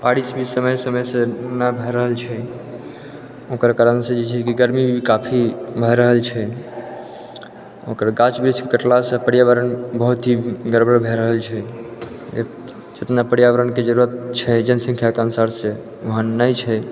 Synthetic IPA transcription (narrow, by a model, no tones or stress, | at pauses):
paɽisbʱisəməjsəməsẽnabʱɛɾəɦəlt͡ʃʰɛ | okəɾkaɾənsẽd͡ʒet͡ʃʰɛkiɡəɾmibʱikapʰibʱəɾəɦəlt͡ʃʰɛ | okəɾɡãt͡ʃbɾid͡ʒkkəʈlasə̃pəɽijaʋəɾənbəɦut̪ɦiɡəɾbəɾbʱeɾəɦəlt͡ʃʰɛ | ḛ | d͡ʒet̪napəɽjaʋəɾənked͡ʒəɾuɾət̪̚t͡ʃʰɛd͡ʒənsə̃ŋkʰjakeanusaɾse | oɦənːəjt͡ʃʰɛ